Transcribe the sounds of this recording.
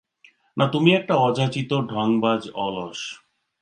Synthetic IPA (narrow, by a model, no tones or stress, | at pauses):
nʔat̪umiɛk̚ʈaɔd͡ʑʱat͡ɕit̪oɖʱɔŋbad͡ʑɔloʃ